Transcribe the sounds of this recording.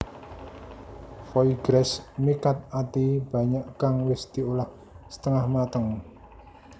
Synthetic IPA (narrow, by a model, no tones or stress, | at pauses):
fɔiɡ̥ɾɛsmikat̪̚at̪ib̥ä̤ɲaʔkaŋwɪsd̪̥i̤olah | sə̥t̪əŋahmat̪əŋ